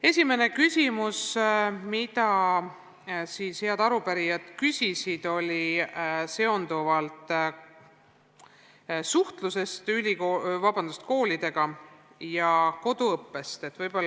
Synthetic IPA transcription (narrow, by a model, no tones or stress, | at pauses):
e̞sʲime̞ne̞kysʲimusmid̪̥ɑ | siːshe̞ɑd̪̥ɑɾupæɾijɑd̪̥kysʲisid̪̥o̞lʲise̞o̞nd̪uvɑlt̪ˑ | suht̪luse̞st̪ylʲikovɑbɑnd̪ust̪ko̞ːlid̪̥e̞ɡ̥ɑ | jɑko̞d̪̥uɤpːe̞st̪e̞t̪ːˑvɤjbolː